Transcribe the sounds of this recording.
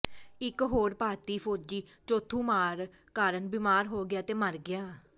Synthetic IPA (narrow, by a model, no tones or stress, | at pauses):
ɪkɦoːɾpaːɾt̪iːpʰoːd͡ʒiːt͡ʃoːt̪ʰũːmaːɾ | kaːɾənbɪmaːɾɦoːɡɪjaːt̪eːməɾɡɪjaː